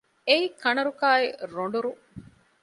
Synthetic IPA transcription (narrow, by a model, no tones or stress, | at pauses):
eikɐnɐɾukaːeɾoɳ̆ɖuɾu